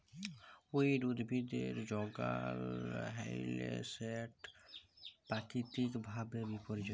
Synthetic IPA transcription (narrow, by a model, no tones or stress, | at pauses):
uiɖud̪bʱid̪eɾd͡ʒɔɡa̰lɦɛjlḛsɛʈ | pakit̪ikbʱabebipɔɾid͡ʒɔ